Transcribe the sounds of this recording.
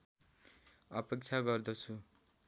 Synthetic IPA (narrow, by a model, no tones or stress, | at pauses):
ʌpek̚t͡sʰaɡʌrd̪ʌt͡sʰu